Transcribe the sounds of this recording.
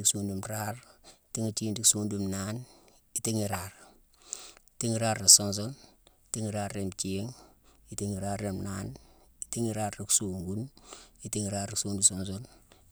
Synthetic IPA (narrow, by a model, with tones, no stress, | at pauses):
i˦ksundumɾaɾ | ti˦ŋi˦t͡ʃiː˦ndi˦ksuː˦ndumnan | iti˦ŋi˨ɾaɾ | i˨ti˦ŋi˦ɾaː˦ɾːe˨so˦ns̬oli˨ti˦ŋiɾaɾːemt͡ʃi˦ŋi˨tiŋi˨ɾarːemnaniti˦ŋi˦ɾaɾɾi˨ksu˨ŋɡuni˦tiŋi˨ɾaː˦ɾi˦ksuː˦ndusonsol